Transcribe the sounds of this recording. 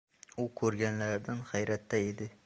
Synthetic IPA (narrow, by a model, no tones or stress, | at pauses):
ʊkʰɵɾɡʲanlaɾd̪anχajɾat̪ʰːaed̪ɪ